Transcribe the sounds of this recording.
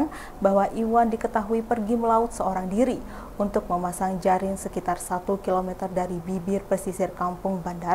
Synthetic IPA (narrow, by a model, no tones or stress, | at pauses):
n | baɦwaʔiwandikət̪aɦuipərɡiməlaʊt̪̚səoɾaŋdiɾi | unt̪ʊk̚məmasaŋd͡ʒaɾɪŋsəkit̪arsat̪ukilomɛt̪ərdaɾibibɪrpərsisɪrkampʊŋbanda